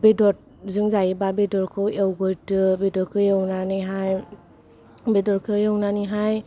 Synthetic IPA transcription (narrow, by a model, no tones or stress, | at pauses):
bedɔt̚ | zɯŋzajibabedɔɾkʰɯwewɡojtɯbedɔɾkʰɯjewnaniɦaj | bedɔɾkʰɯjewnaniɦaj